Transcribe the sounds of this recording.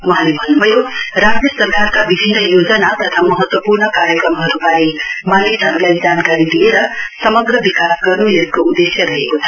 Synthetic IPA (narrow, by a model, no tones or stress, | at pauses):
mʌɦãlebʱʌnːubʱʌjoɾasʈjʌsʌrkarkabibʱinːʌjod͡zʌnat̪ʌt̪ʰamʌɦʌt̪wʌpurnʌkaɾjʌkɾʌmɦʌɾubaɾimalisɦʌɾulajd͡zankaɾid̪ieɾʌsʌmʌɡɾʌbikasɡʌrnujekoud̪esjʌɾʌɦekot͡sʰʌ̥